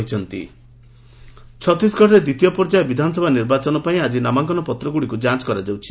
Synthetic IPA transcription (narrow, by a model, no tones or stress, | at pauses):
it͡ʃʰɔnt̪ḭ | t͡ʃʰɔt̪isɡɔʈʰaɾed̪it̪ijɔpɔɾd͡ʒaebid̪ʱanɔsɔbʱaniɾbat͡ʃɔnɔpaĩad͡ʒinamaŋkɔnɔpɔt̪ɾɔɡuɽikud͡ʒãt͡ʃkɔɾad͡ʒawt͡ʃʰi̥